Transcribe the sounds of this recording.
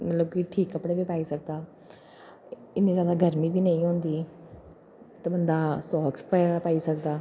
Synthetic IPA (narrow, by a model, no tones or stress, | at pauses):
mət̪ləb̚kɪʈʰiːkːəpɽeːbiːpaːiːsək̚d̪aː | ɪnːiːzjaːd̪aːɡʱəɾmiːbiːnə̃ːĩːɦõːnd̪iː | t̪aːbənd̪aːsɔːksppaːiːsəkd̪aː